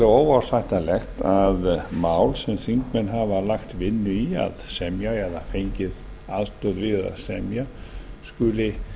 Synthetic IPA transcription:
laoːwawɾ̥θajht̪alɛxt̪aðmaːwlsɛmθiŋkmɛnɦavalaxt̪vɪnːʏia̰ðsɛmjaɛðafejɲcɪð | aðst̪ɔðvɪːða̰sɛmjaskʏlɪ

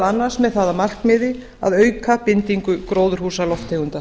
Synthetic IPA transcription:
lanːaɾsmɛðθaːðamar̥kmɪːðɪ | a̰ðœːɥkʰapɪnt̪iŋkʏkɾoːwðʏɾ̥huːsalɔft̪heːɣʏnt̪a

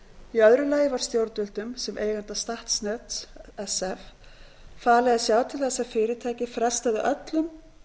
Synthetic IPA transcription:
iœðɾʏlaːjɪvaɾ̥st̪jowɾt̪ʏlt̪ʏmsɛmʔeːjɣant̪ast̪aht̪snœt̪ɛsɛf | faːlɛɣasjaːwt̪ʰɪlθɛsːafɪːɾɪt̪ʰaːjcɪfɾɛst̪aðɪʔœt̪lʏm

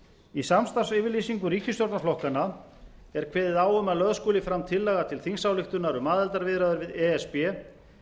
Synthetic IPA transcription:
isamst̪ḁsɪvɪɾlisiŋkʏɾiːcʏst̪jowɾt̪naflɔhkana | ɛɾ̥kʰvɛːðɪðaːwʏmaðlœðskoːlɪfɾamt̪ʰɪlːɛɣat̪ʰɪlθiŋsawlɪxt̪ʏnaɾʏmaːðɛlt̪aɾvɪðɾaðʏɾvɪðɛɛspɛ

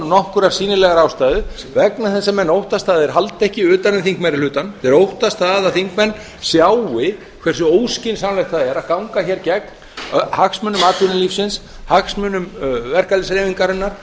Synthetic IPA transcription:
nɔhkʏɾaɾ̥siːnɪlɛɣaɾawst̪aːðɪ | vɛknaθɛsːamɛnːowht̪ast̪aːðɪɾ̥ɦalt̪ɛhcɪʏːt̪anʏmθiŋkmaɾɪlʏːt̪anθɛɾowht̪ast̪aːðaθiŋkmɛnː | sjawɪ | kʰvɛr̥sʏoːwscɪnsamlajkt̪θaðɛɾaðkawŋkaçɛɾcɛkn | haksmʏːnʏmaːt̪ʏnʏlifsɪns | haksmʏːnʏmvɛr̥kalɪsɾeːviŋkaɾɛnːaɾ̥

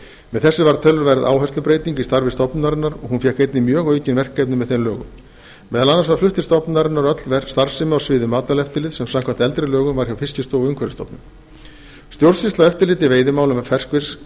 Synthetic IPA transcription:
mɛðθɛsːʏvaɾt̪ʰœlːʏɾvɛjɾða̰ːwɦajsʏpɾeːjt̪iŋcist̪aɾvɪst̪ɔpnnaɾɪnːaɾɔɣhunfjɛkejt̪nɪmjœːɣœːɥcɪnvɛr̥kajpnɪmɛðθenlœːɣʏ̰m | mɛːðalanːasvaɾ̥flʏht̪ɪ̥st̪ɔpnaɾɪnːaɾœt̪lvɛɾst̪aɾ̥sɪmawsvɪːðʏmaːt̪alɛft̪ɪlɪːðsɛmsamkʰvant̪ɛlt̪ɾɪlœːɣʏmvaɾ̥çawfɪscɪst̪owʏŋkʰvɛɾɪst̪ɔ̰pnʏm | st̪jowɾsɪst̪laɛft̪ɪɾlɪːt̪ɪveːjðɪmaːwlʏmafɛr̥kvɪs

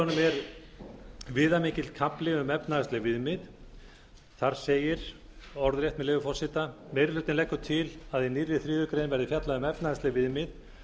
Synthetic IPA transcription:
ɔnʏmɛɾ | vɪːðamiːcɪlt̪̚kʰaplɪʏmɛpnaɛst̪lɪvɪðmɪð | θaɾ̥seːjɪɾ̥ | ɔɾðɾjɛjht̪mɛleːvʏfɔrsɪt̪amejɾɪlʏːt̪ɪnlɛjhkːʏɾ̥t̪ʰɪlaðinirːɪθɾiːðʏkɾejnvɛɾðɪfjat̪laðʏmɛpnaðɛst̪lɪvɪðmɪð

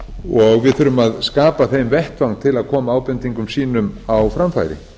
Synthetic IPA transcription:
ɔɣvɪðθʏɾʏmaðskaːpaθejmvɛht̪vawŋt̪ʰɪlaðkʰɔːmaaːwpɛnt̪iŋkʏmsiːnʏmawfɾamfa̰ːjɾɪ̰

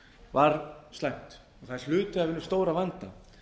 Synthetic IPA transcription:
vaɾst̪lajŋ̥t̪ | ɔθaɛ̥lʏːt̪ʏavɪnːʏst̪oːwɾavant̪a

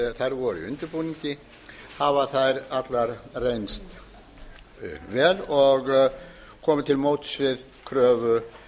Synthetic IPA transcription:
θajɾvɔɾʏḭʏ̰nt̪ʏɾpuniɲcɪ | havaθajɾat̪laɾrejnst̪ | vɛːlɔɣ | kʰɔːmʏt̪ʰɪlmoːwt̪ʏ̥svɪð | kʰɾœːvʏ

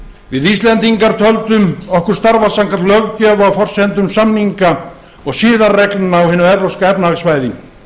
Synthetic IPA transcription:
vɪðist̪lɛnt̪iŋkaɾt̪ʰœlt̪ʏmɔhkʏɾ̥st̪aɾvasaŋkat̪lœɣcœːvawfɔr̥sɛnt̪ʏmsamniŋka | ɔɣsiːðarrɛklnaawhɪːnːʏɛɾɾɔskaɛpnaasvaːjðɪ

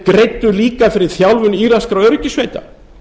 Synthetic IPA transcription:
kɾejt̪ːʏliːkafɪɾɪ̥θjawlvʏniːɾaskɾaœɾcɪsvejt̪a̰

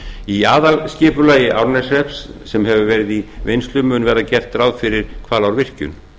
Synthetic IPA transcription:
iaːðalscɪːpʏlaːjɪʔawɾnɛsɛpsː | ɛmɦɛvʏvɛːɾɪðivejnst̪lʏmʏnvɛːɾacɛr̥t̪ɾawðfɪɾɪɾ̥kʰvaːlawɾvɪr̥cʏ̰n

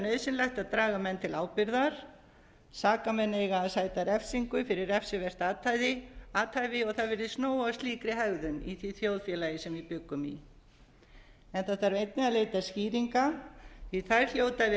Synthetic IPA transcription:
nœɥðsɪnlɛjxt̪aðt̪ɾaːɣamɛnt̪ʰɪlaːwpɪɾðaɾ̥ | saːkamɛnːejɣaːðsaːjt̪aɾɛfsiŋkʏfɪɾɪɾɛfsɪvɛr̥t̪aːt̪ʰajðɪaːt̪ʰajvɪɔɣθaðvɛɾðɪsnoːwawst̪iːkɾɪhɛɣðʏniθviθjoːwðfjɛlajɪsɛmvɪpʏkːʏmḭ | ɛnθat̪aɾvejt̪̚nɪaðleːjt̪asciːɾiŋkaiθajɾ̥l̥joːwt̪avɪ

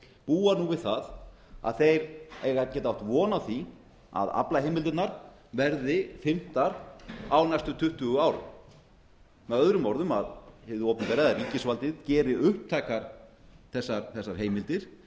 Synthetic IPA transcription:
puːanuvɪðθað | a̰ðθejɾeːjɣacɛːt̪aawht̪vɔːnawθi | a̰ða̰plaɦejmɪlt̪ʏtnaɾ̥ | vɛɾðɪfɪm̥t̪aɾawnajst̪ʏt̪ʰʏht̪ʏɣʏaːwɾʏ̰ | mɛðœðɾʏmːɔɾðʏmaðhevðʏowpnpɛːɾɪðariːcɪsvalt̪ɪðcɛːɾɪʔʏhp̚t̪ʰaːjkaɾ̥ | θɛsːaɾθɛsːaɾ̥ɦeːjmɪlt̪ɪɾ̥

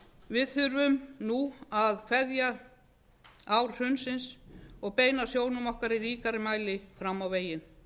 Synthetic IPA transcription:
vɪðθʏɾvʏmnuaðkʰv̥ɛðja | awɾ̥r̥ʏnsɪnsɔɣpeːjnasjoːwnʏmɔhkaɾiɾiːkaɾɪmaːjlɪfɾamːawveːjɪn

